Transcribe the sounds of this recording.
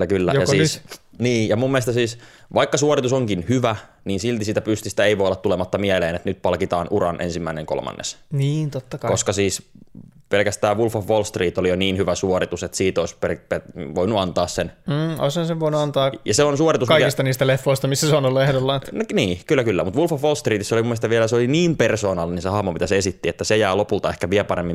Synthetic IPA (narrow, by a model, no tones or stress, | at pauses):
kylːæojɑsiːsniːjɑmumːiest̪ɑsiːs | ʋɑikːɑsuorit̪usoŋkinhyʋæ | niːnsilt̪isiːt̪æpyst̪ist̪æeiʋojolːɑt̪tulemɑt̪ːɑmiæleːnet̪nyt̪̚pɑlkit̪ɑːnʔuɾɑ̰nʔḛnsimːæineŋko̰lmɑ̰nːḛsniːnt̪ot̪ːɑkɑkoskɑsiːs | pelkæst̪æːʋʋulfɑfʋolst̪riːt̪olijoniːnhyʋæsuoɾit̪uset̪siːt̪oisperpeʋoinuɑnt̪ɑːssen̩ːo̰ishɑnseʋʋoinuɑnt̪ɑːjɑseonsuorit̪uskɑiist̪ɑniːst̪ælefːoist̪ɑmisːæsonollehɾolːɑt̪nniːkylːækylːæmut̪ʋulfɑfʋolst̪riːt̪isːolimmːest̪ɑʋiælæseoliniːmpersoːnɑlːininsehɑhmopit̪æsesit̪ːiet̪ːæsejæːlopult̪ɑehkæʋiæpɑɾemːi